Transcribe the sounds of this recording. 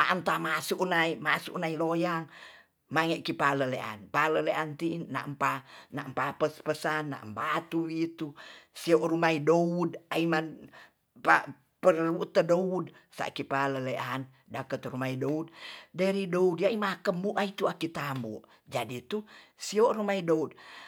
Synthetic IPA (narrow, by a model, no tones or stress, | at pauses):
a̰ʔnt̪amasuʔnaimasṵʔnailojaŋ | maŋɛʔkipaləleʔa̰npaləleʔant̪ina̰ʔmpanaʔmpapəspəsanːa̰ʔmbat̪uwit̪usioʔɾumaidoudaiman | pa | pəruʔt̪ədoud | sa̰ʔkipaləleʔan | dakət̪rumaidoud̚dəɾidoudjaimakəmbuʔait̪uakit̪ambṵʔ | d͡ʒadit̪usiɔʔrumaidoud̚